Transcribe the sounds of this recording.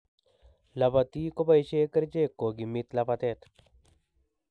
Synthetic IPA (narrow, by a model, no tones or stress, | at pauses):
labat̪iːkobajɕeːkəɾd͡ʒeːkːoɡimit̪lapat̪eːt̪